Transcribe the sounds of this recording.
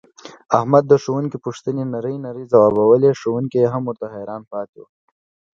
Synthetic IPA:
ahmad̪ːəʂowuŋkipuʂt̪ənenaɾəjnaɾizawɑːbawəleʂowuŋkijeɦamːʊɾt̪aɦeɾɑːnpɑːt̪ṵ

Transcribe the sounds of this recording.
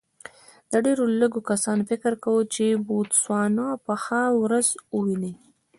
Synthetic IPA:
d̪̥əɖeɾoləɡokasɑnfɪkɾkawət͡ʃebot̪swɑnapəxawɾazəwili

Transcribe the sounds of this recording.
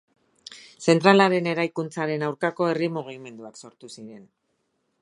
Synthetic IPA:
se̞nt̪ɾalaɾe̞ne̞ɾajkunt͡saɾe̞nawɾkako̞e̞rimuɣ̞ime̞nd̪uakso̞ɾt̪usiɾe̞n

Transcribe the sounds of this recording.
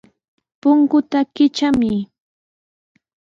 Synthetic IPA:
pʊŋkʊt̪akɪt͡ʃamɪ

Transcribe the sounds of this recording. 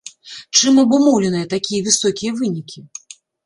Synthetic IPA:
t͡ʂɨmɐbumɔwlʲɛnɨjɐt̪akʲijɐvʲɨsɔkʲijɐvɨnʲikʲi

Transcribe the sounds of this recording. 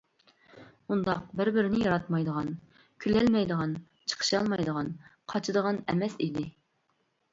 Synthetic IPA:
und̪ɑq̚bɪɾbɪɾɪnɪjɑɾɑt̪mɑjd̪əʁɑn | kʲʰylɛlmɛjd̪əʁɑn | t͡ʃʰə̥qʰə̥ʃɑlˠmɑjd̪əʁɑnqʰɑt͡ʃʰɨd̪əʁɑnɛ̰mɛsid̪ɪ

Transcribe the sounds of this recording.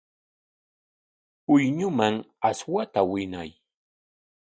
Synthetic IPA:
ʊjɲʊmaŋaswat̪awɪna̰j

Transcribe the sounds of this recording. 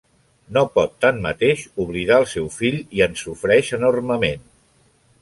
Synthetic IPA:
nopɔt̪ːanmə̰t̪eʃuβ̞liðaəlˠsɛwfiʎiənsufɾɛʃənorməmen

